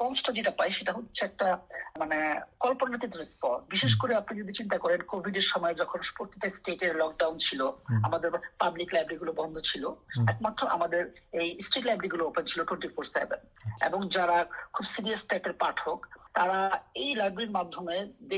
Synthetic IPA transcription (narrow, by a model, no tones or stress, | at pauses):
pɔnsʈad͡ʑeʈapajʃeʈaɦot̪ːɕʰeɛk̚ʈamanekɔlponanit̪̬it̪ɾespɔnsbiʃeʃkoɾeapnid͡ʑod̪ʱit͡ɕint̪akɔɾenkobʱiɖeɾʃɔmɔed͡ʑɔkʰonʃu̥poɾt̪ʰit̪esʈeʈeɾlɔk̚ɖawnt͡ɕʰiloa̰mad̪eɾpabliklajbɾiɡulobɔnd̪ʱot͡ɕʰiloɛkmat̪ːɾoʔamad̪eɾejsʈeʈlajbɾiɡuloopent͡ɕʰiloʈweɳʈifoɾsḛbḛnḛboŋd͡ʑaɾakʰubsiɾiaspɛʈeɾpaʈʰokt̪aɾaejlajbɾiɾmad̪ʱːomed̪e